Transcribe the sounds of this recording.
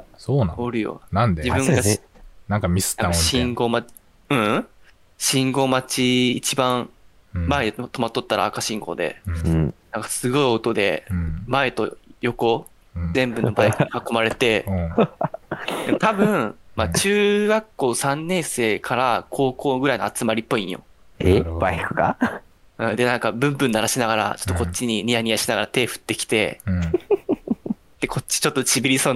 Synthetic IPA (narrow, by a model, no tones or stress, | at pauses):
soːnãoɾɯ̟jo̰nãnd̪ed͡ʑibɯ̟̃ŋɡanãŋkamʲisɨ̥t̪aakaɕĩŋɡo̞ma | ɯ̟̃ | ɕĩŋɡo̞mat͡ɕiːt͡ɕibãɰ | maed̪et̪o̞mat̪ːo̞t̪ːaɾa̰ːkaɕĩŋɡo̰d̪e̞̰ | nãŋkḁsɨɡo̞io̞t̪o̞d̪ẽ̞̰mae̞t̪o̞̰jo̞kõ̞ | zẽ̞mbɯ̟nobaekakːomaɾe̞t̪e̞ | d̪emt̪abɯ̟̃ɰmat͡ɕɨːɡakːo̞ːsãnːẽ̞ɰ̃se̞ːkʰaɾakʰo̞ːko̞ːɡɯ̟ɾainoat͡sɨmaɾʲipːo̞ĩɰ̃jo̞̰ | ebaikɯ̟̥ka̰ | ɯ̟̃ːd̪e̞nãŋkabɯ̟̃mpɯ̃nːaɾaɕinaɡaɾa̰t͡ɕo̥t̪ːokot͡ɕt͡ɕːiɲ̟iɲ̟ʲiaɲ̟ʲijaɕinaɡaɾat̪e̞ːɸɯ̟̥t̪ːe̞kʲi̥t̪e̞̰ | d̪̥e̞kʰo̞t͡ɕːi̥t͡ɕo̞t̪ːot͡ɕibʲiɾʲiso̞ː